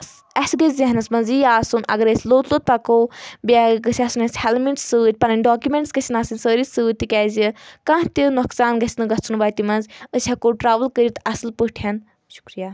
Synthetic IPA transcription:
ɐsʲɡɐzʲzɐɦnɐsmɐnzijaːsunɐ̰ɡɐɾɐsʰʲloːt̪lot̪̚pakowbʲaɡɐsʲasunɐsʲhɛlmiʈsːɨt̪̚ʲpɐnɐnʲɖɔːkʲjumẽɳʈsɡɐsʲinaːsɨnʲsəːɾisɨːt̪ːikʲaːzʲikãɦt̪ʲinuksaːnɡɐsʲnɨɡɐt͡sʰunbaːt̪ʲimɐnzəsʲʰakoʈɾaːʋəlkəɾit̪ɐsɨlpəʈʰɐn | ʃu̥kɾijaː

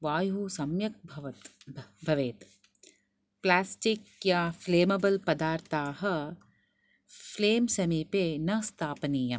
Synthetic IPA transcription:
ʋaːjɦusɐmjɐk̚bʱɐʋɐt̪bʱɐʋeːt̪ | plaːsʈikjaːfleːmɐbɐlpɐd̪aːɾt̪aːɦɐ̆ | fleːmsɐmiːpeːnɐst̪ʰaːpɐniːjɐ

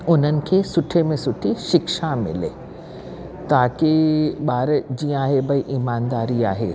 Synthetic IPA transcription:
ʊn̤ənɪ̆kʰesʊʈʰemẽsʊʈʰiʃɪkʃamɪ̰lḛː | t̪aːkeɓaːɾd͡ʑiːə̃aːɦebʱɐiʔiːmaːnd̪aːɾiaːɦeː

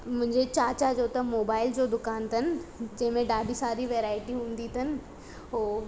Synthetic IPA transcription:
mʊ̃ɦɪ̃ɲd͡ʑet͡ɕaːt͡ɕad͡ʑoːt̪ɐmoːbaːɪld͡ʑoːd̪ʊkaːnt̪ʰɐnɪ̆d͡ʑɐ̃ɦɪ̃mẽɖaːɖʱisaːɾiʋeːɾaːɪʈiɦũːn̆d̪it̪ʰɐnɪ̆ | ɦoː

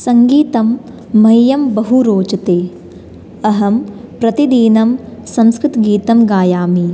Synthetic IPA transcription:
sɐŋɡiːt̪ɐmː | ɐjjɐmbɐɦuɾoːt͡ʃɐt̪eː | ɐɦɐmpɾɐt̪id̪iːnɐmsɐ̃mskɾɪt̪ɡiːt̪ɐmɡaːjaːmi

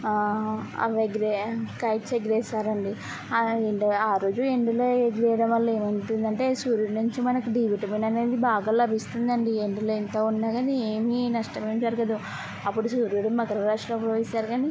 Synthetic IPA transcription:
ɐ̰ʋeɡɾekɐjʈt͡ʃeɡɾɛːsaːɾɐɳɖi | eɖaːɾo̞ːd͡ʒueɳɖiloed͡ʒɛːjɐɽɐmːɐlːe̞ːmɐnʈund̪ɐɳʈe̞ːsuːɾjuɽnuɲt͡ʃimɐnɐkuɖiːʋiʈɐminɐne̞ːd̪ibaːɡaːlɐbʱist̪und̪ɐɳɖieɳɖiloːent̪oːunːaːɡɐnieːminɐʂʈɐmeːmd͡ʒɐɾɡɐd̪u | ɐpːuɽusuːɾjuɽumɐɡɐɾɐɾaːʂʈlɐpːɾoisaːɾɡaːni

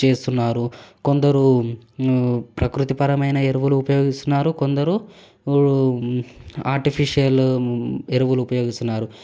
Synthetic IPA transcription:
t͡ʃe̞ːst̪unːaːɾuko̞nd̪ɐɾu | pɾɐkɾut̪ipɐɾɐmɐjnɐeɾuʋuluːpɐjoːɡist̪unːaːɾukond̪ɐɾu | aːɾʈipʰiʂijɐl | eɾuʋuluːpɐjo̞ːɡist̪unːaːɾu

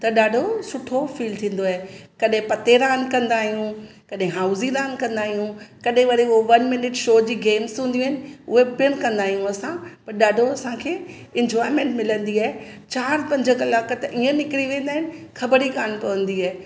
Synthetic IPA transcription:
t̪ɐɗaːɖʱosʊʈʰofiːlt̪ʰĩːn̆d̪oaɦekɐɗɦẽpɐt̪eɾaːnkɐ̃nd̪aːɦijũ | kɐɗɦẽɦaːʊziɾaːnkɐ̃nd̪aːɦijũkɐɗɦẽʋɐɾioʋɐnmɪnɪʈʃoːd͡ʑiːɡeːmzũːnd̪iũɦɪnɪ̆ʊɦebɪənkɐ̃nd̪aːɦijũɐsãpɐɾɗaːɖʱoɐsãkʰeː | ɪ̃nd͡ʑɔːɪɾmẽːɳʈmɪlə̃nd̪iaːɦet͡ɕaːɾpɐ̃ɲd͡ʑəkɐlaːkt̪ɐʔiːə̃nɪkɾiʋẽːn̆d̪aːɦɪnɪ̆ | xʰɐbəɾikaːnpɐʋə̃nd̪iaːɦe

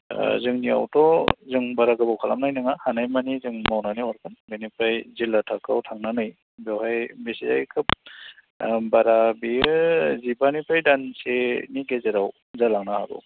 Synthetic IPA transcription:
zɯŋnia̰wtɔzɯŋbaɾaɡɯbawkʰala̰mnajnɯŋahanajmanizɯŋmawnaniɔɾkʰɯnbenipʰajzilːatʰakawtʰaŋnanɯj | bewɦajbesiza̰jkʰɯp̚ | baɾabiɯzibanipʰajdanseniɡezeɾaw | zalaŋnaha̰ɡṵ

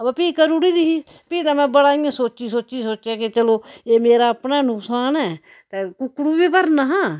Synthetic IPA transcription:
baːpiːkəɾuɽiːd̪iːɦiː | piːt̪ãːmɛ̃ːbəɽaːɪãːsoːt͡ʃiːsoːt͡ʃiːsoːt͡ʃjaːket͡ʃəloːeːmeːɾaːpnaːənʊksaːnɛː | t̪eːkʊkːɽuːbiːpəɾnaːɦãː

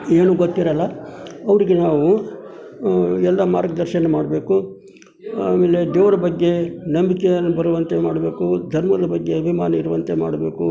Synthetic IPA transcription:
eːnuɡot̪ːiɾɐlːɐɐʋɐɾiɡenaːʋu | ɛlːɐma̰ːɾɡɐd̪ɐɾʃɐnɐmaːɽɐbe̞ːku | a̰ːme̞ːled̪eːʋɐɾɐbɐɡːe̞nɐmbikejɐnːubɐɾuʋɐnt̪emaːɽɐbe̞ːkud̪ʱɐɾmɐd̪ɐbɐɡːe̞ɐbʱimaːnɐiɾuʋɐnt̪e̞ma̰ːɽɐbe̞ːku

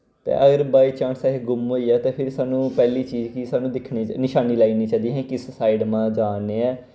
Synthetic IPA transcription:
t̪ḛːʔəɡəɾbaːiːt͡ʃãːnsaːeɡʊmɦoːiːaːt̪eːpʰɪɾsaːnũːpɛːliːt͡ʃiːd͡ʒkisaːnũːd̪ɪkʰniːnɪʃaːniːlaːiniːt͡ʃaːd̪iːɦɛ̃ːkɪssaːiɖmãːd͡ʒaːneːɛː

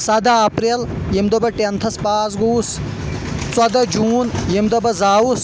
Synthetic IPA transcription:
sɐd̪aːpɾel | jimd̪ɐbɐʈent̪ʰɐspaːzɡuːs | t͡sɐd̪ɐd͡ʒuːnjimd̪ɐbɐzaːwus

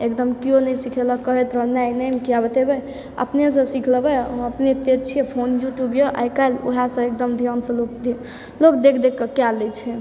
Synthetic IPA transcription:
ekd̪əmkijonəjsikʰelɔkəɦɛt̪ɾənajnəmkijabet̪ebɛ | ə̰pnes̬ə̃sikʰlbɛəpnet̪et͡ʃʰiepʰonjuʈjubjoʔa̰jkajlo̰ɦasə̃ek̚d̪əmd̪ʱijansə̃lok̪ | lokd̪ekʰd̪ekːəkjalɛt͡ʃʰɛ

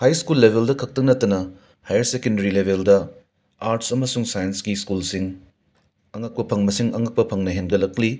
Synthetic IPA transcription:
hajskulːebʱeldɐkʰɐk̚tɐŋ̚nɐtːɐnɐ | hajɐɾsekendɐɾilebʱeldɐ | aɾtsɐmɐsuŋsajenskiskulsiŋ | ɐŋɐk̚pɐpʰɐŋmɐsiŋɐŋɐk̚pɐpʰɐŋnɐɦenɡɐlɐkli

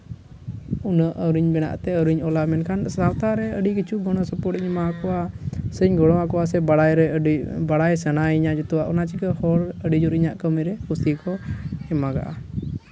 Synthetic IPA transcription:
unəʔəɾiɲbɛna̰ʔt̪ɛəɾiɲɔlamɛnkʰansawt̪aɾɛəɖikit͡ʃʰuɡɔɽ̃ɔsəpɔɾʈiɲmakɔwasəɲɡɔɽ̃ɔwakɔwas̬ɛbaɽajɾɛibaɽajsənajiɲad͡ʒɛt̪uwaʔɔnat͡ʃikəhɔɾəɖid͡ʒuɾiɲaʔkəməjɾɛkusikɔɛmaɡa̰ʔa̰

